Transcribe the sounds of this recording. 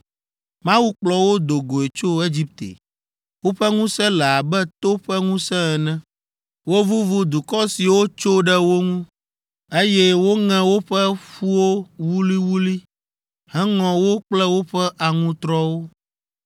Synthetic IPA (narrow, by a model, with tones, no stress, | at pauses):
mã˦wu˦k͡plɔ˨wo˦d̪o˨ɡo˨e˨t͡ʃo˦e˦d͡ʑi˦p̚t̪ḛ˨ | wo˦ɸɛ˦ŋũ˦sɛ̃˦lɛ˨a˨bɛ˦t̪o˦ɸɛ˦ŋũ˦sɛ̃˦ɛ˨nɛ̃˦ | wo˦vu˦vu˦d̪u˨kɔ˦si˨wo˦t͡ʃo˦ɖɛ˦wo˦ŋũ˦ | e˦jɛ˦wo˦ŋɛ̃˦wo˦ɸɛ˦ɸu˦wo˦wu˦li˦wu˦li˦ | hɛ̃˦ŋɔ̃˨wo˦k͡plɛ˦wo˦ɸɛ˦ʔa˨ŋũ˦t̪ɾɔ˦wo˦